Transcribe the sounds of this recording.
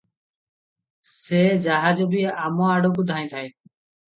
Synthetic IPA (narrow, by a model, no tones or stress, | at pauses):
seːd͡ʒaːɦaːd͡ʒobiːaːmõaːɽoːɡʊd̪ʱaːĩːt̪ʰaeː